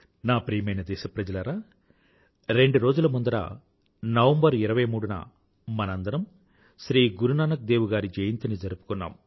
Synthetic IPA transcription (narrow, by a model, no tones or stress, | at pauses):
naːpɾijɐmɐjnɐd̪ɛːʃɐpɾɐd͡ʒɐlɐɾaː | ɾe̞ɳɖuɾo̞ːd͡ʒulɐmund̪ɐɾa̰ː | nɐʋɐmbɐɾiɾɐʋɐjɐmuːɽunɐ̰ | mɐnɐnd̪ɐɾɐm | ʃɾiːɡuɾunaːnɐk̚d̪eːʋuɡaːɾid͡ʒɐjɐnt̪ɐnid͡ʒɐɾupu̥kunːa̰ːm